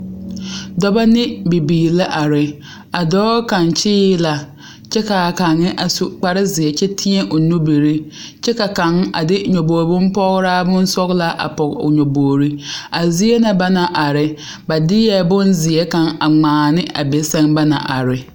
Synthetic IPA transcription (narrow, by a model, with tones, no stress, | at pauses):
dɔ˦ba˦nɪ˦bi˨biː˨la˦ʔa˨ɾɪ˨ | a˨dɔː˦ka˨nt͡ʃɪː˦la˨ | t͡ʃɛ˦ka˨ka˨ŋːɪ˦ʔa˨su˨k͡pa˦ɾɪ˦zɪ˨ɛ˨t͡ʃɛ˦tʰɪ˦ɛ˦ʔo˨nu˦be˨ɾi˦ | t͡ʃɛ˦ka˨ka˨ŋa̰˨dɪ˦˨ɲo˨boː˨ɾbʊ˦m˦pɔ˦ɣɾaː˦bʊ˦n˦sɔ˦ɣla˦ʔa̰˨pɔ˨kʊ̰˨ɲo˨boː˨ɾi˦a˨zi˦e˦na˨ba˦na˨ʔa˨ɾɪ˨ | ba˨dɪ˦jɛ˦bʊ˦nzɪ˨ɛ˦ka˨ŋa˨ŋ͡maː˨nɪ˦ʔa̰˨be˨sɛ˦ŋba˦na̰˨ʔa̰˨ɾɪ˨